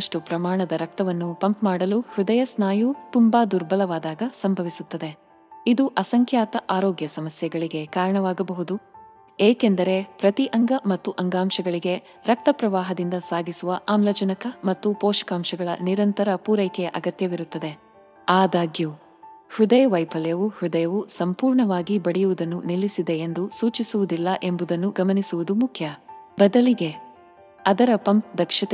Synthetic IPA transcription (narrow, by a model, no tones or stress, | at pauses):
ʂʈupɾɐmaːɳɐd̪ɐɾɐk̚t̪ɐʋɐnːupɐmpmaːɽɐluhɾud̪ɐjɐsnaːjut̪umbad̪uɾbɐlɐʋaːd̪aːɡɐsɐmbʱɐʋisut̪ːɐd̪e̞ | id̪uʔɐsɐŋkʰjaːt̪ɐʔaːɾoːɡjɐsɐmɐsjɛɡɐɭiɡe̞kaːɾɐɳɐʋaːɡɐbɐɦud̪u | eːke̞nd̪ɐɾe̞pɾɐt̪iʔɐŋɡɐmɐt̪ːuʔɐŋɡaːmʃɐɡɐɭiɡe̞ | ɾɐk̚t̪ɐpɾɐʋaːɦɐd̪ind̪ɐsaːɡisuʋɐʔaːmlɐd͡ʒɐnɐkɐmɐt̪ːupɔːʃɐ̥kaːmʃɐɡɐɭɐ̰niɾɐnt̪ɐɾɐpuːɾɐjkɛjɐʔɐɡɐt̪jɐʋiɾut̪ːɐd̪e̞ | aːd̪aːɡju | hud̪ɐjɐʋɐjpʰɐlɛjɐʋuhud̪ɐjɐʋusɐmpuːɾɳɐʋaːɡibɐɽɛjuʋud̪ɐnːunilːisid̪e̞end̪usuːt͡ʃisuʋud̪ilːɐʔe̞mbud̪ɐnːuɡɐmɐnisuʋud̪umukʰjɐbɐd̪ɐliɡe̞ | ɐd̪ɐɾɐpɐmp̚d̪ɐkʂɐt̪